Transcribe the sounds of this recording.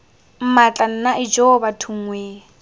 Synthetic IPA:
m̩mat͡ɬʼan̩naʔɪd͡ʒobatʰuŋwe

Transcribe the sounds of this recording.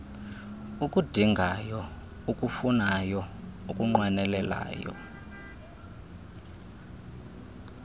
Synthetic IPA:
ukʼud̥ʱiŋɡʱajɔ | ukʼufunajɔukʼuŋ͡ǃwanɛlɛla̰ːjɔ̰

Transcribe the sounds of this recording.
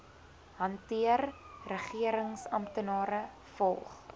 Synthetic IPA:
ɦɐntiərːəχiəɾəŋsɐmtənɑːɾə | fɔlˠχ

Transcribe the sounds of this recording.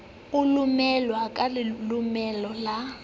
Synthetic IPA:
ʊlumɛlwakʼalɪlumɛlɔla

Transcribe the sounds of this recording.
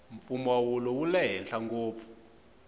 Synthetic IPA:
ɱfumawulɔwulɛɦɛnɬaŋɡoːp̪fu̥

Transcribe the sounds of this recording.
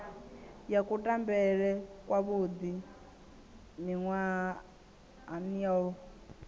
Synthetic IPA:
jakʼutʼambɛɺɛkwaβud̪i | niŋwa | aniau

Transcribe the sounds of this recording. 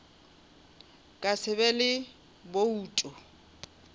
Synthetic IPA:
kʼasɪbɛlɪ | bouːtʼɔ

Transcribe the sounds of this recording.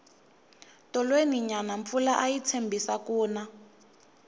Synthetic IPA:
tɔlweniɲanaɱfulaʔajit͡sʰembʱisakuːna

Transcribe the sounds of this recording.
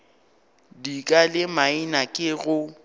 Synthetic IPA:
dikʼalɪmainakʼɪɣʊ

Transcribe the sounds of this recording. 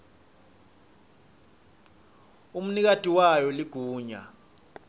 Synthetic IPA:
um̩nik̬atʼiwajɔliɡ̥ʱuːɲa̰

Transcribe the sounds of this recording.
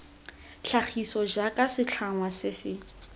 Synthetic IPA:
ɬʰaχisɔd͡ʒakʼasɪt͡ɬʰaŋwasɪsɪ

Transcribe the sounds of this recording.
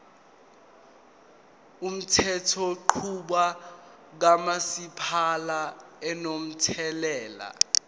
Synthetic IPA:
um̩tʰɛtʰɔǃʰuɓa | k̬amasipʰalaɛnom̩tʰɛlɛːla̰

